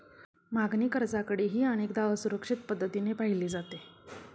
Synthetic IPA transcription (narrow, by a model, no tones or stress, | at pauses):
maɡniːkəɾd͡zakəɽiːɦiːəñekd̪aʋəsuɾəkʂit̪̚pəd̪ʱːət̪inepaɦiliːd͡zat̪e